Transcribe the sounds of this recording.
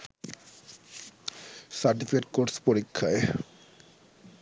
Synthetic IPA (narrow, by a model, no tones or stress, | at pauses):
saɾʈifikeʈ̚koɾspoɾikʰːae